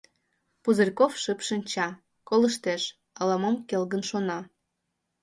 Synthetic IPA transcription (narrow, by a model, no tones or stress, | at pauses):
puzərʲkofʃɨpʃɨnʲt͡ɕɑ | kolə̆ʃt̪eʃ | ɑlɑmɑmkelɣənʃonɑ